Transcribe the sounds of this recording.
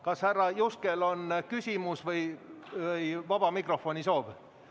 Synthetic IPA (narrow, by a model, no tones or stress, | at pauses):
kɑshærːɑjuskelo̞nkysʲimusvɤjvɤjvɑb̥ɑmikro̞fonʲisoːb̥